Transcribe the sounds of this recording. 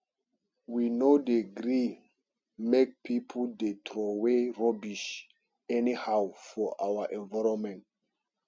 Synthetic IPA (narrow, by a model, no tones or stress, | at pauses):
winodeɡɾi | mek̚pʰipʰuldetʰɹɔweɹɔbiʃ | ɛnihawfɔʔawaʔɛ̃nvaɹɔ̃mɛ̃nt